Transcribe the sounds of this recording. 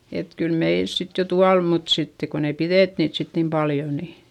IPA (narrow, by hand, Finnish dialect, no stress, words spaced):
et kyl meils sit jo tuɑl mut sitːe kon ei pireˑt niːt sit nim pɑljo ni